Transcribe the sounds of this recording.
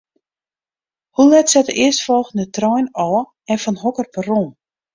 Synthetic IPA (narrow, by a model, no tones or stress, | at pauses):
hulɛtsɛtəɪəstfɔlˠxndətrɔjnɔː | ɛnfɔnɦɔkərpəroːn